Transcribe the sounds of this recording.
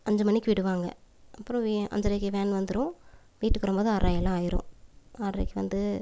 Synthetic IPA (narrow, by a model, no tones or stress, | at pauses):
ɐɲd͡ʒɐmɐnːɪkːɯʋɪɽɯʋaːŋɡɐ̰ɐpːɯɾɔ̃ʋiʔɐ̰ɲd͡ʒɐɾɐkːɯʋeːnʋɐnd̪ɯɾʊ̃ | ʋiːʈːɯkːɯɾɐmpboːðɯaːɾaːjɛlːãːaːjɪɾʊ̰̃aːɾɐ̰kːɯʋɐ̰nd̪ɯ